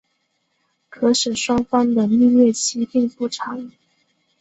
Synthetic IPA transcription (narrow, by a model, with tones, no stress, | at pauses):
kʰɤ˧˥ʂɤ˨˩ʂwɑ˥ŋfɑ˥ŋd̪ə˨li˥˧ɥwɛ˥˩t͡ɕʰi˥pi˥˧ŋpu˥˩ʈ͡ʂʰɑ˨˧˥ŋ